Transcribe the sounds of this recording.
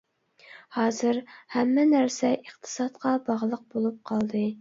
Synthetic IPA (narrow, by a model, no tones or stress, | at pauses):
hɑːzɨɾhɛmːɛnæɾsɛʔiχt̪ʰɨ̥sɑt̪qʰɑbɑʁlˠəq̚bolˠup̚qʰɑlˠd̪ɨ